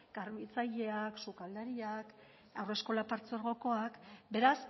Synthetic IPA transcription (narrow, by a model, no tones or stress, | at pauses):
ɡ̥aɾmit͡saʎe̞aksukald̪aɾiak | awre̞sko̞lapaɾt͡so̞ɾɣo̞ko̞akbe̞ɾas